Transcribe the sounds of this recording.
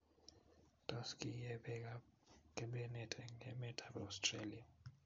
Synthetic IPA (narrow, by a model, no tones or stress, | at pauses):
tʰʼɔskʰʼijɛɓɛk̬akʼɛɓɛnɛtʼɛŋɛmɛtʼabastʰʼrelia